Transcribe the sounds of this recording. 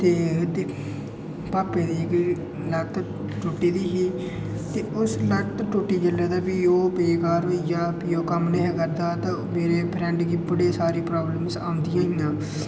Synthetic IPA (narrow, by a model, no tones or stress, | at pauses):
t̪eːd̪e | paːpeːd̪iːɪk | lət̪ | ʈʊʈːiːd̪iːɦiː | t̪eːʊslət̪ʈʊʈːiːd͡ʒəlːaːd̪aːpiːoːbeːkaːɾijaːpiːoːkəmneɦekəɾd̪aːt̪ãːmeːɾeːpʰɾɛ̃ːɳɖɡiːbəɽeːsaːɾiːpɾaːbləmsa̰ːʊ̃nd̪ɪjãːɦijãː